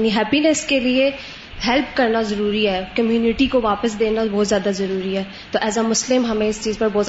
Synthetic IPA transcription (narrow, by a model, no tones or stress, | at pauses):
niɦɛːpinɛskelie | ɦɛlpkɐɾnazɐɾuːɾiɦɛːkɐmjuːnɪʈikoʋaːpəs̬d̪eːnabɔːt̪zjaːd̪azɐɾuːɾiɦɛː | t̪oːʔɛːzəmʊslɪmɦɐmẽɪst͡ʃiːzpɐɾbɔːt̪